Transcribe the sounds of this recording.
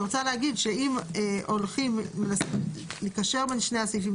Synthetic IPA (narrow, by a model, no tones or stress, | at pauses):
ʁot͡saleɦaɡidʃeimʔo̞lχimːelas | likaʃe̞ʁbenʃnejasifim